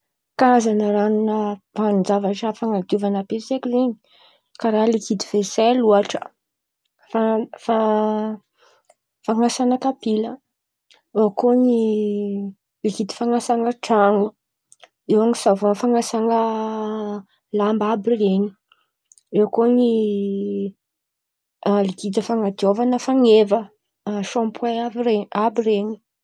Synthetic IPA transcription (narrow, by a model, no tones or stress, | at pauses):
kaazanəɾanunəvand͡zavaʈ͡ʂəfaŋad̪iuvanapesekʲizeɲi̥ | kaɾaɦlikid̪ivesɛluaʈ͡ʂə̥̰ | fafa | faŋasanəkapilə | ewkoni | likit̪i̥faŋasaŋəʈ͡ʂaŋu | ewaŋisavonfaŋasaŋə | lambabireɲi̥ | ewkoni | likit̪əfaŋat̪iovanəfaŋevə | ʃompwaabireɲi̥